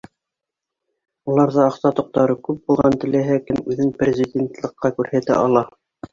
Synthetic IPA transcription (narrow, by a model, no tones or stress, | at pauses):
ulˠɑɾðɤɑqsɑt̪ŏq̚t̪ɑɾɤkʉp̚bulˠʁɑnt̪ɘ̆læɦækɘmʉðɘŋprʲɪzʲɪdʲent̪lˠɤ̆qːɑkʉɾhæt̪æ̰ʔɑlˠɑ